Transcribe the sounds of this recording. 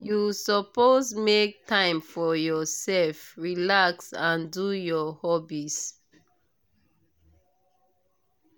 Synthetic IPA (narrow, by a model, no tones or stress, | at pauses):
jusɔpozmek̚tʰãɪ̃mfɔjɔsɛlfɹilaksãndujɔhɔbis